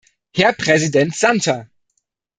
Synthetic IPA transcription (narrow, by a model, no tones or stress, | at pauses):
hɛɐpʁ̥ɛzidɛntz̥antɐ